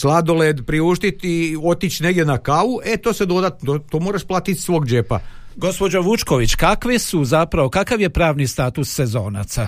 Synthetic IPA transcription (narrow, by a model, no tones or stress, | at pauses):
slˠad̪o̞led̪pɾiuːʃt̪it̪io̞t̪it͡ʃne̞ɡd̪ʲenakaʋuʔet̪oːsed̪o̞d̪at̪ot̪omoɾaʃplˠaːt̪it̪sʋo̞ːɡd͡ʒepa̰ɡo̞spo̞d͡ʑoʋut͡ʃkoʋit͡ɕkakʋesuzapɾaʋo̞kakaʋje̞pɾaːʋnist̪aːt̪usːezo̞ːna̰t̪sa